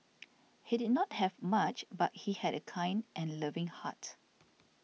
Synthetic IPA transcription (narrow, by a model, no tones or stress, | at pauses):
hidid̚nɔt̚hɛvmat͡ʃbat̚hihɛdəkʰãj̃ndʔɛ̃nləvɪ̃ŋha̰t